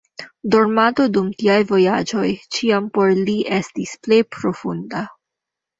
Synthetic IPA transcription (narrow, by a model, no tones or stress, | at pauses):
do̞ɾmato̞dumtiajvo̞jad͡ʒo̞jt͡ʃiampo̞ɾliʔe̞stisple̞jpɾo̞funda